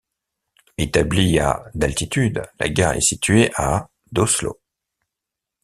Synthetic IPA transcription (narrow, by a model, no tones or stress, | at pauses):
et̪ablia̰d̪alt̪it̪yd̪la̰ɡaʁɛ̰sit̪ɥeʔa | d̪oslo̰